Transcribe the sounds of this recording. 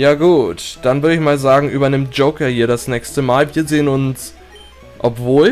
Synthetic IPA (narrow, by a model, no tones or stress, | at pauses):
jaːɡuːtd̥anvʏɐɾdəɪçmaːlzaːɡŋ̩ʔy̰ːbɐnɪmt̚d͡ʒ̥oʊkɐhiːɐɾasnɛːçstəmaːlviːɐzeːənʊns | ʔɔpv̥oːl